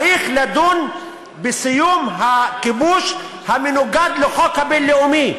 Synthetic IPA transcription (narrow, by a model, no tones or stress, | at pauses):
ixlad̪un | bɪsɪjumɦakɪbuːʃ | hamɪnʊɡad̪lʊxɔkabɪlːɪʊmi